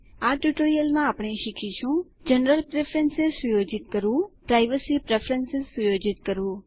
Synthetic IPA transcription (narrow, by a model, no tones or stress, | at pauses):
aːʈuʈoːɾijəlmãaːpɳ̃eʃɪkʰiʃʰũd͡ʒənɾəlpɾepʰɾensɪzsʊjoːd͡ʒɪt̪kəɾũpɾaːɪʋəsipɾefʰɾənsɪzsʊjoːd͡ʒɪt̪kəɾũː